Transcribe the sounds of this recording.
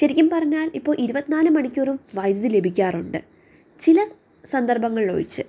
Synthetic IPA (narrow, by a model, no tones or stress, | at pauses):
ɕɐɾikʲːumpɐrɐɲːaːlipːo̞ːɭʔiɾubɐt̪ːinaːlɨmɐɳikʲːorumʋɐjd͡ʑɨle̞bʱikʲːaːruɳɖɨ̰ | t͡ɕilɐ | sɐnd̪ɐrbɐŋːɐɭlo̰ːɻit͡ɕːɨ